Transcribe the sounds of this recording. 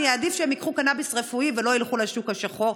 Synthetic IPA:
jeːd̪ifʃeemikχukanabisʁefuivelo̞ilχulaʃukhaʃaχo̞ʁ

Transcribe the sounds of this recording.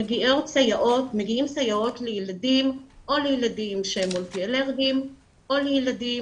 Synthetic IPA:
eɡiʔotsajaʔo̞tmeɡiimsajao̞tlejeladimʔo̞lejeladimʃemult̪ieleʁvim | ʔo̞lejeladi

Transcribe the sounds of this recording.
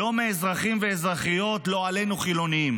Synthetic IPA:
o̞meːzʁaχimve̞ːzʁaχijo̞tlo̞ale̞nuχilo̞niim

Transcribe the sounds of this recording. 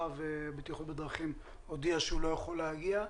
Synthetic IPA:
avebit̪jχut̪bed̪ʁaχim | od̪iaʃeulo̞jeχolehaɡia

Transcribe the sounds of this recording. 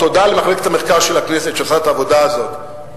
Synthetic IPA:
to̞d̪alemaχleket̪ameχkaʁʃelaknesetʃelχat̪aːvo̞d̪aːzo̞t̪

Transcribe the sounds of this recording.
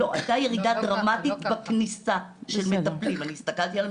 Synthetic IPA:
oʔa̰jt̪aje̞ʁidadʁamatit̪baknisaʃelmetaplimaniːst̪akalt̪ial

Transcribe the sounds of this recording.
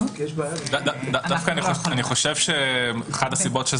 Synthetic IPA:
ʃbadad̪ad̪ad̪afkanioaniχo̞ʃevʃemeχadasibo̞tʃe

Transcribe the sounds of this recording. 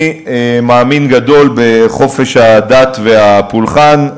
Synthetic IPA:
emaːminɡado̞lbe̞χo̞fe̞ʃhadatveapulχan

